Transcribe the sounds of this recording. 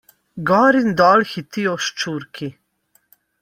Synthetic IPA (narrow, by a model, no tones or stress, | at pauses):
ɡɔːɾind̪ɔːlxit̪ijɔʃt͡ʃuːɾkʰi